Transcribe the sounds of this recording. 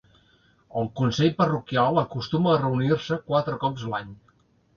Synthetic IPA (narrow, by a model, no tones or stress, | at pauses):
əlˠkunsɛʎpərukialˠəkust̪uməːrəuniɾsəkwat̪ɾəkɔpzlaɲ